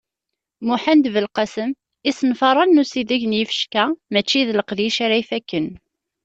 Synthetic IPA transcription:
muħænd̪vəlqɑsəm | isənfɑɾˤɑnːusiðæʝnjifə̥ʃkæmæt͡ʃːiðləqðiʃaɾæifækːən

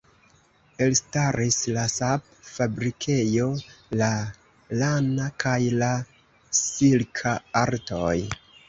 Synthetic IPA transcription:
e̞lstaɾislasap̚ | fabɾikʰe̞jo̞la | lanakʰajla | silkʰaaɾtoj

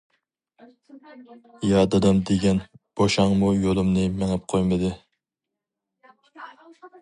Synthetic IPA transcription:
jɑd̪ɨd̪ɑmd̪eɡʲɛnb̥oʃɑŋmujolˠumnɨmeŋɛp̚qʰojmɨd̪ɨ

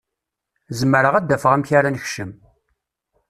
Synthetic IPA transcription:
zəmːəɾəʁæd̪ːæfəʁæmçaɾanəçʃəm

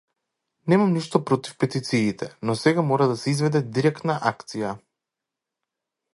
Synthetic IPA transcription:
nɛmamniʃt̪ɔpɾɔt̪i̥fpɛt̪it̪siːt̪ɛnɔsɛɡamɔɾad̪asɛizvɛd̪ɛd̪iɾɛkt̪naʔakt̪sija

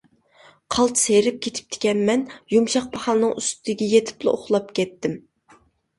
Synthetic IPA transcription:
qʰɑlˠt̪sejɾɪp̚kʲʰet̪ʰɪ̥p̚t̪ʰɪ̥kʲɛnmɛnjumʃɑq̚bɑχɑlˠnɨŋyst̪ɪd̪ɪɡʲɛjet̪ʰɪ̥plˠɨ̰ʔoχlˠɑpkʲɛt̪ːɪm

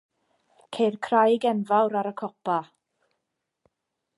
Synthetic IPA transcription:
kʰejrkʰrajɡɛnvawɾaɾəkʰɔpa

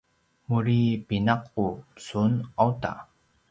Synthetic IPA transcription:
muɾipinaqːusunawta̰

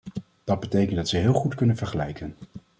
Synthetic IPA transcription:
d̥ɑd̚bətejkəntdɑtsəɦɪːlˠχutkɵnənvəɹχəlɛ̰jkən

